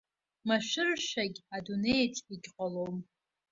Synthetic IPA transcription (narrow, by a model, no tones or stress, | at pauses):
maʃʷᶣɪrʃaɡʲadunejtʰiɡʲqʼalom